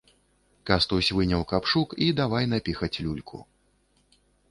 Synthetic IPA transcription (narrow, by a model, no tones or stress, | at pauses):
kast̪usʲvɨnʲɐwkapʂukid̪avajn̪apʲixɐt͡sʲlʲulʲkʰṵ